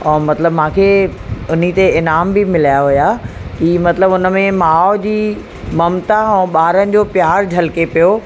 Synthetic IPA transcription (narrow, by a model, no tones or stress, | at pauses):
ɛ̃ːmɐt̪ləbmãːkʰeʊn̤it̪eɪnaːmbɪmɪlaːjaɦʊjakimɐt̪ləbʊnə̆mẽmaːʊd͡ʑiː | mɐmt̪aɛ̃ːɓaːɾənɪ̆d͡ʑoːpjaːɾd͡ʑʱɐlkepijo